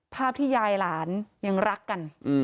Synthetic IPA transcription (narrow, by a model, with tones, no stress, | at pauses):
pʰaː˥˩p̚t̪ʰiː˥˩jaː˧jlaː˩˦nja˧ŋɾa˦˥kːa˧nʔ